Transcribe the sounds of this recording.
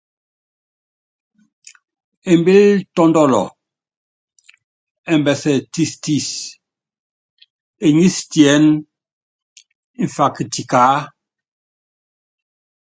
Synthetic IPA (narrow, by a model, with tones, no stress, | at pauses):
e˨mbi˦ltɔ˦ndɔ˦lɔ̰˨ | ɛ˨mbɛ˨sɛ˨ti˦sti˦˨s | e˨ɲi˦stjɛ˨˦n˦ | ɱ̩˨fa˨ki˨ti˨kaː˨˦